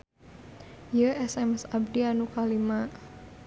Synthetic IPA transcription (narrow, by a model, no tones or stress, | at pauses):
jəɛsɛmɛsab̚dianukalimaʔ